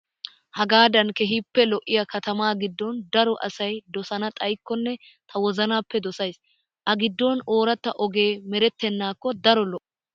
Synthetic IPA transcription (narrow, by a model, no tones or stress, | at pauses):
hɐɡaːd̪ɐnkɛɦipːɛlɔʔːɪjɐkɐt̪ɐmaːɡɪd̪ːɔnd̪ɐɾɔʔɐsɐjd̪ɔsɐnɐt̪ʼɐjkːɔnːɛ | t̪ʰɐwɔzɐnaːpːɛd̪ɔsɐjs | ʔɐɡɪd̪ːɔno̞ːɾɐt̪ːɐʔɔɡe̞ːmɛɾɛt̪ːɛnːaːkːɔd̪ɐɾɔlɔʔ